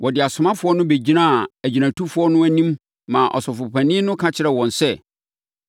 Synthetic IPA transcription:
wʔɔ˨dɪ˨a˨sʊ˨mã˦fʊ˦ɔ˦nʊ̃˦be˨d͡ʑi˦nã˦˨æ˨d͡ʑi˨næ̃˨tʰu˦fʊ˦ɔ˦nʊ̃˦æ˦nĩ˦mː | ã˨ʔɔ̰˨sɔ˨fʊ˨pʰæ̃˨nɪ̃˦nʊ̃˦kʰã˦t͡ɕʰɪ˦ɾɛ˨wɔ̃˨nsɛ˦˨

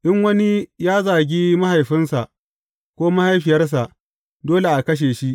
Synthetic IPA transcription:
ʔɪ˦ŋwɐ˦ni˦jaː˦zaː˨ɡʲiː˦ma˦ha˨jɸɪ˦nsa˨ʔ | kʷoː˦ma˦ha˦jɸɪ˨jɐ˦rs̬a˨ʔ | doː˦le˨ʔa˨kɐ˦ʃ̬eː˨ʃi˦ʔ

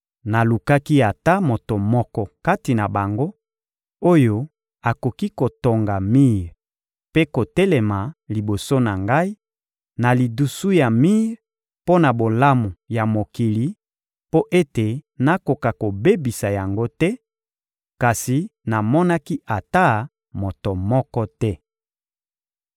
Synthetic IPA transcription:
na˨lu˨ka˦ki˦a˨ta˦mo˨to˨mɔ˦kɔ˦ka˦ti˨na˨ba˨ŋɡo˦ | o˦jo˦ | a˨ko˨ki˦ko˨to˨ŋɡa˨mi˦ʁ | pe˦ko˨tɛ˦lɛ˨ma˨li˨bo˨so˦na˨ŋɡa˦i˦ | na˨li˨du˨su˦ja˨mi˦ʁ | po˦na˨bo˨la˦mu˨ja˨mo˨ki˨li˨˦ | po˦ʔe˦te˨na˦ko˨ka˨ko˨be˦bi˨sa˨ja˨ŋɡo˦tɛ˦ | ka˨si˨na˨mɔ˦na˦ki˦ʔa˨ta˦ | mo˨to˨mɔ˦kɔ˦tɛ˦

